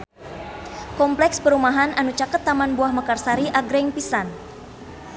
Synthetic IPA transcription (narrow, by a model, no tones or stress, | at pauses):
kɔmplɛksbəɾumaɦananut͡ʃakət̪ːamanbuahmakarsaɾiʔaɡɾɛŋpisan